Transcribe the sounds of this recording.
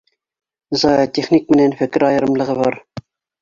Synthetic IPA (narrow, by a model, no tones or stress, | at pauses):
zɑjɑt̪eχnik̚mɘ̆nænfɘkɪɾɑjɤ̆ɾɤ̆mlˠɤ̆ʁɤβɑɾ